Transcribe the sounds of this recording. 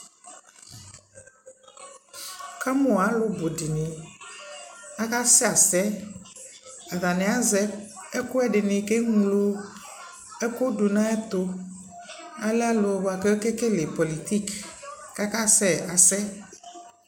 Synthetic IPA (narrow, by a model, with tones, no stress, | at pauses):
ka˦mõ˨a˨˦lo˦bo˨di˨ne˨ | a˦ka˦sɛ˦a˨sɛ˦ | a˨ða˨nɛ̃˨a˦zɛ˦e˦ko˦ɛ˦ɖe˨nẽ˨ke˦ŋũ˨lo˦ | ɛ˦ko˦du˨nã˦ɛ˦t̪o˦ | a˨lɛ˦a˦lo˨bo˨a˨ke˦ke˦ke˦le˨po˨li˨t̪i˦kːa˦ka˦sɛ˦˨a˨sɛ˦